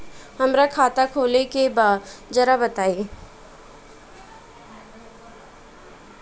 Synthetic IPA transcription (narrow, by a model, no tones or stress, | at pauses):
hɐmɾakʰaːt̪akʰoːlekebaːdd͡ʒɐɾabət̪aːi